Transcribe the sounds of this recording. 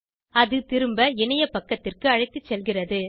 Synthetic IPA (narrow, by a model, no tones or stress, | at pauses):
ɐðɯt̪ɪɾɯmbɐɛnɐjɐpɐkːɐt̪ːɪrkɯɐɻɐɪt̪ːɯt͡ʃːɛlɣɪrɐðɯ